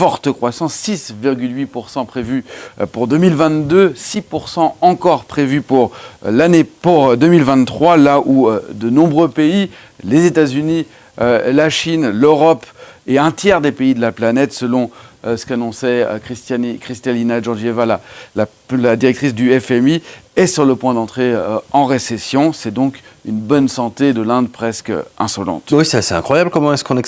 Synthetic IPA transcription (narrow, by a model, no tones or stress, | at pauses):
fɔʁt̪əkχwasɑ̃sːisviʁɡʲylɥipuʁsɑ̃pχevypuʁd̪ømilvɛ̃t̪d̪øsipuʁsɑ̃ɑ̃kɔʁpχevypuʁlanepuʁd̪ømilvɛ̃t̪t̪ːχwalaʔuød̪ənɔ̃bʁøpei | lezet̪azyni | ølaʃinløʁɔpeɛ̃t̪jɛʁd̪epeid̪əlaplanɛt̪səlɔ̃sə̥kanɔ̃sɛø̰kχist̪kχist̪alinaʒɔʁʒievalala | lad̪iʁɛk̚t̪χisd̪yɛfɛmiɛsyʁləpwɛ̃d̪ɑ̃t̪χeɑ̃ʁesesjɔ̃sɛd̪ɔ̃kynbɔnsɑ̃t̪ed̪əlɛ̃d̪pχɛskø̰ɛ̃sɔlɑ̰̃t̪wisasɛt̪ɛ̃kχwajablkɔmɑ̃ɛskɔ̃nɛk